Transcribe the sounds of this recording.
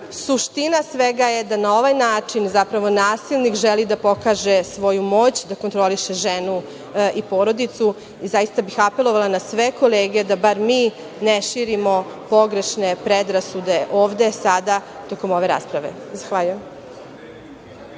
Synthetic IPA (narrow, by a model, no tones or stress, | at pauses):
suʃt̪inasʋeɡaje̞d̪anao̞ʋajnaːt͡ʂinzapɾaʋo̞naːsilˠnikʒelid̪apo̞kaːʒe̞sʋo̞jumo̞ːt͡ɕd̪ako̞nt̪ɾo̞liʃeʒenu | ipo̞ːɾo̞d̪it̪su | izajist̪abixape̞lˠo̞ʋalˠanasʋe̞ko̞leːɡed̪abaɾmiː | neʃiːɾimo̞po̞ɡɾe̞ʃne̞pɾed̪ɾasud̪e̞ʔo̞ːʋd̪e̞sad̪a | t̪o̞ko̞mo̞ʋe̞ɾa̰ːspɾaʋe̞̰ | zaxʋaʎujem